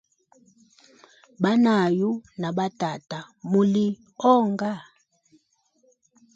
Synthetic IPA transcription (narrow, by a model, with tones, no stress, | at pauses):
ɓa˦na˨ju˦na˨ɓa˦ta˨ta˨mu˨li˦ | ɔ˦ŋɡa˦˨